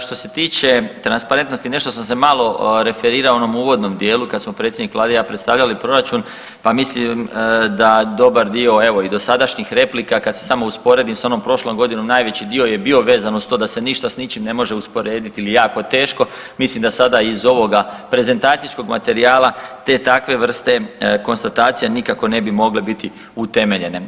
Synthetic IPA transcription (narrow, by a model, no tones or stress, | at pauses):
ʃt̪o̞se̞t̪iːt͡ɕe̞t̪ɾanspaɾe̞nt̪nost̪ine̞ʃt̪o̞s̬ams̬e̞malo̞ɾe̞fe̞ɾiːɾaoonomuːʋo̞d̪no̞md̪je̞ːlukad̪smo̞pɾet̪sʲjed̪nikʋlaːd̪ejapɾet̪st̪aʋʎalipɾo̞ɾat͡ʃun | pamislimd̪ad̪o̞baɾd̪io̞e̞ʋo̞id̪o̞sad̪aʃɲixɾe̞plikakad̪sesamouspo̞ɾe̞d̪imsao̞no̞mpɾo̞ʃlo̞ŋɡo̞d̪ino̞mnaːjʋe̞t͡ɕid̪io̞je̞bio̞ʋe̞ːzanost̪o̞ːd̪ase̞niʃt̪asnit͡ʃimne̞mo̞ʒe̞uspo̞ɾe̞ːd̪it̪iilijaːko̞t̪e̞ːʃko̞ | mislimd̪asad̪aizo̞ʋo̞ɡapɾe̞ze̞nt̪aːt̪sisko̞ɡma̰t̪e̞ɾiaːlˠat̪e̞ːt̪akʋe̞ʋr̩st̪e̞ko̞nst̪at̪aːt̪sijenikako̞ne̞bimo̞ɡlebit̪i | ut̪e̞me̞ʎe̞ne̞